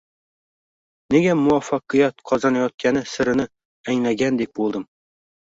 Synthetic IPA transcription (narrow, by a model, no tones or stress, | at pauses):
neɡʲamʊafːɑqɨjat̪̚qʰɒzɑnajɒt̪̚kʲʰænɪsɪɾɪnɪ | æŋlæɡʲænd̪ek̚bolˠd̪ɪm